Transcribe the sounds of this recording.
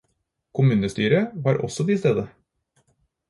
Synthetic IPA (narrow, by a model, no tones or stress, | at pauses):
kʰʊmʉːnəst̪yːɾəʋɑːɾʔɔ̰sɔd̪ɪst̪eːd̪ə